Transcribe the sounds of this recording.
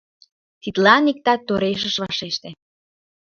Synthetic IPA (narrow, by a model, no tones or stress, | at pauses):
t̪it̪lɑnik̚t̪ɑt̪ːoɾeʃ̬ə̆ʃβɑʃeʃt̪e